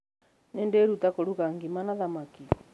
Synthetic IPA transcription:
nɛndeɾutakoɾuɣaŋɡimanaðamaki

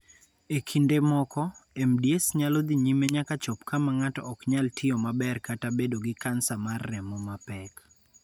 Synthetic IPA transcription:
ekʰindemɔkɔemdjesɲalɔd̪iɲimeɲakat͡ʃɔpkamaŋatɔ̰ʔɔkɲaltʰɪjɔmabɛrkatabedoɡɪkansamarːɛmɔmapɛk

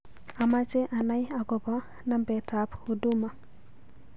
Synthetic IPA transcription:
amat͡ʃeʔanajaɡɔba | nambɛtapoduma

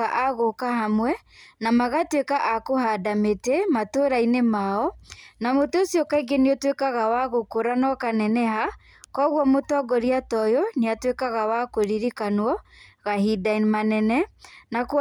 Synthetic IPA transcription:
aʔaɣokahamwɛ | namaɣatwekaʔakohadametematoɾainemaɔnamoteosjɔkaiɡeneɔtwekaɣawaɣokoɾanɔkanɛnɛɦa | kɔɣwɔmotɔɡɔɾiatɔjɔneatwekaɣawakoɾiɾikanwɔɣahidanmanɛnɛnak

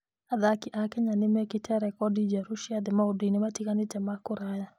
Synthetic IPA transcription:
aðakɪʔakɛɲanɪmɛkɪtʰɛɾɛkɔdid͡ʒaɾuʃiad̪ɪmaudinɪmatikanɪtɛmakʊɾaja

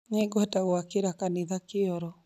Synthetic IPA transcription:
ɲeŋɡoɛtaɣoakeɾakaniðakeɔɾɔ

